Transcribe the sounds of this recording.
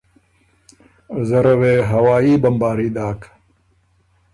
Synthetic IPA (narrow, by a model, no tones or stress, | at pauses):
zɐɾɐweːɦɐwaːiːbɐmbaːɾiːd̪aːk